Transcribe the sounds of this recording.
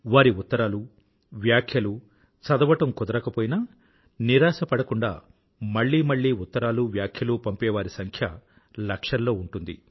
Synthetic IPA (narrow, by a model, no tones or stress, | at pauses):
ʋaːɾiut̪ːɐɾaːlu | ʋjaːkʰjɐlu | t͡ʃɐd̪ɐʋɐʈɐmkɔd̪ɐɾɐkɐpoːjinɐ | niɾaːsɐpɐɽɐkuɳɖa̰ː | mɐɭːiːmɐɭːiːut̪ːɐɾaːluʋjaːkʰjɐluːpɐmpɛːʋaːɾisɐŋkʰjɐ | lɐkʂɐlːo̞ːuɳʈund̪ḭ